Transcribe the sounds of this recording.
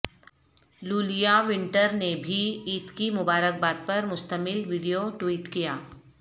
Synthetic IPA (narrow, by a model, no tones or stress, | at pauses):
luːlijaʋɪ̃ɳʈəɾnebʱiiːt̪kimʊbaːɾək̚baːd̪̚pɐɾmʊst̪əmɪlʋiːɖijoʈwiːʈkijaː